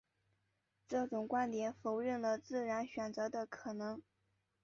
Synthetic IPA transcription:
ʈ͡ʂɤ˥˩ʈ͡ʂʊ˨˩ŋkwa˥nt̪jɛ˨˩nfo˧˥ʊɻə˥˩nlə˩t͡sɹ̩˥˩ɻa˧˥nɕɥɛ˨˩nt͡sɤ˧˥d̪ə˧kʰɤ˨˩nɤ˧˥ŋ

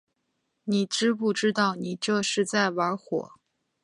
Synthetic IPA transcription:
ni˨˩˦ʈ͡ʂɻ̩˥pu˥˩ʈ͡ʂɻ̩˥t̪ɑ˥˩ʊni˨˩ʈ͡ʂɤ˥˧ʂɻ̩˥˧t͡sa˥˩ɪwə˧˥xwɔ̰˨˩˦

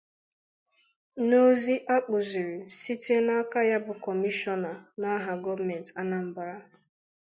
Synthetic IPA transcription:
no˦zi˦ʔa˦k͡pʊ˨zi˨ɾi˨si˦te˦na˦ka˦ja˦bʊ˨kɔ˨mi˦ʃɔ˦na˨na˦ɦa˨ɡɔ˦va˨mɛ˨n˨ta˦na˨m̩˨ba˨ɾa˦

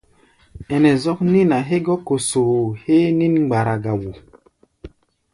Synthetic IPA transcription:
ɛ˨nɛ˨zɔ˦k̚ni˦na˨ɦe˦ɡɔ˦ko˨so˨he˦ni˦nɡ͡ba˨ɾa˨ɡa˨wu˨

